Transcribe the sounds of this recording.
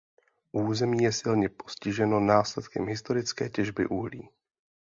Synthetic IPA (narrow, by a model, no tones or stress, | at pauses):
ʔuːzɛmiːjɛsɪlɲɛpo̞̥scɪʒɛno̞naːslɛt̪kɛ̰mɦɪst̪o̞ɾɪt͡skɛːcɛʒbɪ̰ʔuɦlḭː